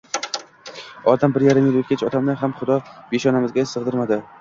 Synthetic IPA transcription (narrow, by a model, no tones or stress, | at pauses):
ɒd̪ambɪɾjaɾɪmjɪlɵt̪kʲʰat͡ʃʰɒt̪ʰamnɪɦamχʊd̪ɒb̥eʃɒnamɪzɡʲasɨʁd̪ɪɾmad̪ɪ